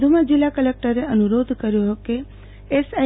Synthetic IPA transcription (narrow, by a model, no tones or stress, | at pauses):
d̪ʱumãd͡ʒilːakəlek̚ʈəɾeənuɾod̪ʱkəɾjoɦke | esa